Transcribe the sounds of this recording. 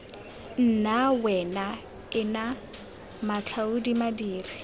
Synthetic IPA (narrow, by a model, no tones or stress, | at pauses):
n̩nawɛna | ɪna | mat͡ɬʰaudimadiːri